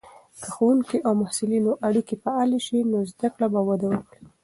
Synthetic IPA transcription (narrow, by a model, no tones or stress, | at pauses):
kəxowuŋkiʔawmahsɪlinoʔaɽikipəaleʃinozd̪akɽabawad̪awəkɽi